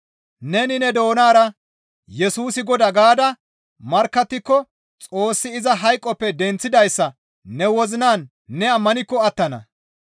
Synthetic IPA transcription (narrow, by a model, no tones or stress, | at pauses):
nɛnɪnɛd̪o̞ːnaːɾɐ | jɛsuːsɪɡɔd̪ɐɡaːd̪ɐ | mɐɾkːɐt̪ːɪkːɔ | t͡sʼo̞ːsːɪɪzɐɦɐjkʼːɔpːɛd̪ɛnt͡sːɪd̪ɐjsːɐ | nɛwɔzɪnaːnː | ɛɐmːɐnɪkːɔɐt̪ːɐnɐ̰